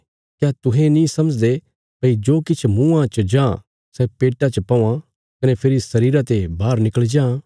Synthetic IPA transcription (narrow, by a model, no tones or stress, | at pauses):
kjat̪ʊɦẽnĩsɐməd͡ʒd̪e | pɐid͡ʒoːkɪt͡ʃʰmũːãt͡ʃəd͡ʒãː | sɛpeːʈat͡ʃɐpaːã | kɐnepʰeɾisɐɾiːɾat̪ebaːɾnɪkəɭd͡ʒãː